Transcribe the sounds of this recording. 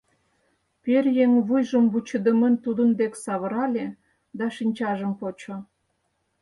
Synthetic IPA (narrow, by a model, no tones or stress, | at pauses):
perjeŋβujʒəmbut͡ɕə̆d̪əmənt̪ud̪ə̆nd̪eksɑβə̆ɾɑlʲe | d̪ɑʃinʲt͡ɕɑʒəmpot͡ɕo